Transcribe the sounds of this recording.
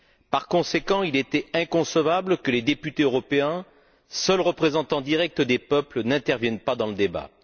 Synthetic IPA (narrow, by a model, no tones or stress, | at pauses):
paʁkɔ̃sekɑ̃ilet̪ɛɛ̃kɔ̃səvabləkəled̪epyt̪eøʁɔpeɛ̃ | sœlʁəpχezɑ̃t̪ɑ̃d̪iʁɛk̚t̪d̪epœplənɛ̃t̪ɛʁvjɛnpad̪ɑ̃ləd̪eba̰